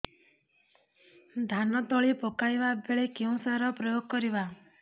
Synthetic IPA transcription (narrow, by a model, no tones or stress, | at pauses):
d̪ʱanɔt̪ɔɭipɔkajbabeɭekeũsaɾɔpɾɔjoɡ̚kɔɾiba